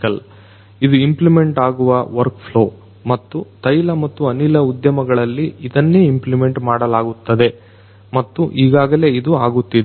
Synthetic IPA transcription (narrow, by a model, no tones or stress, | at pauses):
kɐl | id̪uimplime̞ɳʈaːɡuʋɐʋɐɾkpʰlo̞ː | mɐt̪ːut̪ɐjlɐmɐt̪ːuɐnilɐud̪jɐmɐɡɐɭɐlːiːd̪ɐnːeːimplime̞ɳʈmaːɽɐlaːɡut̪ːɐd̪e̞ | mɐt̪ːuʔiːɡaːɡɐle̞ːid̪uaːɡut̪ːid̪